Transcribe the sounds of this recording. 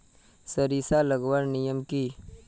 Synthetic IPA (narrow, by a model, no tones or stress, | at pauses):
səɾisaləɡwaɾnijəmki